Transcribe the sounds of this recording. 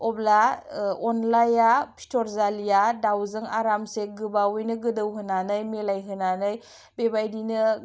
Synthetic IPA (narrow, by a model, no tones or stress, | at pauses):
ɔblaɔnlajapʰi̥tɔɾzalijadawzɯŋa̰ɾamseɡɯbawɯjnɯɡɯdɯwɦɯnanɯjmelajɦɯnanɯj | bebajdinɯ